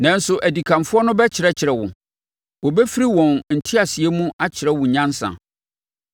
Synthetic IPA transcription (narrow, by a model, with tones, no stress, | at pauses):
nã˨n̩˦sʊ˨ʔæ˨di˨kʰã˨mfʊ˦ɔ˦nʊ̃˦bɛ˦t͡ɕʰɪ˨ɾɛ˦t͡ɕʰɪ˨ɾɛ˨wʊ̰̃˨ | wɔ˨bɛ˦fi˦ɾi˦wɔ̃˨nn̩˨tʰɪ˦a˨sɪ˨ɛ˦mũ˦a˦t͡ɕʰɪ˨ɾɛ˦wʊ̃˨ɲã˦n˦sã̰˨